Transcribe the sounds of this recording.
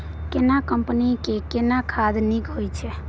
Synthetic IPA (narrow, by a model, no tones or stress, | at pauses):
kenakəmpnikekenakʰad̪nikɦojt͡ʃʰɛ